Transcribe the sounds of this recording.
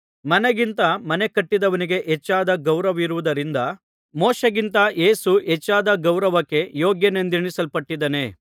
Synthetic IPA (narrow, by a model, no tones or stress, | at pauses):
mɐneɡint̪ɐmɐne̞kɐʈːid̪ɐʋɐniɡe̞ʔɛt͡ʃːaːd̪ɐɡɐwɾɐʋiɾuʋud̪ɐɾind̪ɐ | mɔːʃɐɡint̪ɐjeːsuɛt͡ʃːaːd̪ɐɡɐwɾɐʋɐkːe̞joːɡjɐnend̪iɳisɐlpɐʈːid̪ɐne̞